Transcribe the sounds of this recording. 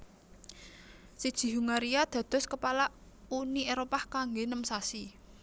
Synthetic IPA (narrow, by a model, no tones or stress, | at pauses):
sid̥ʒ̥i̤ɦuŋaɾiad̪̥ä̤d̪̥ɔ̤skəpala | unieɾopahkaŋɡenəmsasi